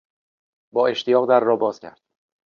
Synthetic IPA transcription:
bɒːe̞ʃt̪ʰijɒːɣd̪æɾːɒːbɒːz̥cʰæ̰ɾd̪̥̚

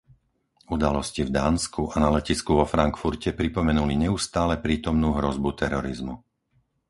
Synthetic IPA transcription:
ud̪alɔscivd̪aːnskʰuʔanalɛciskuʋɔfɾaŋkfuɾcɛpɾipɔmɛnuliɲɛust̪aːlɛpɾiːt̪ɔmnuːɦɾɔzbut̪ɛɾɔɾizmu

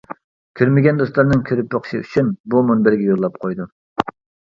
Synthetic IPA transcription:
kʲʰøɾmɪɡʲɛnd̪oslˠɑɾnɨŋkʲʰøɾypjoqʰʃiy̰t͡ʃʰynbumunbɪɾɡʲɛjoɾlˠɑp̚qʰojd̪u

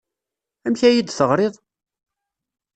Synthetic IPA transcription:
æmçæjid̪θəʁɾeðˤ

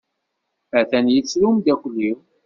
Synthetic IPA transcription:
əθænjit͡sːlumd̪æçlːi

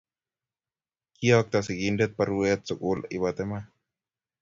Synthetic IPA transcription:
kiɔk̚t̪asikindɛt̪̚pəɾuɛt̪̚sukulibat̪ɛma

